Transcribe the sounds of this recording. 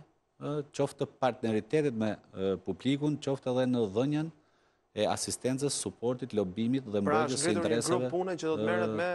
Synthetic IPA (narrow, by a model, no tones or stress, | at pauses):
t͡ʃɔft̪əpaɾt̪nɛɾit̪ɛt̪ɛt̪mɛpublikunt͡ɕɔft̪ɛðɛnəðəɲan | ɛa̰sist̪ɛnt͡səsːupɔɾt̪it̪lɔbimit̪ðɛmɾɔjəssəinɛɾɛsavɛpunɛəd̪ɔt̪ɛɛɛ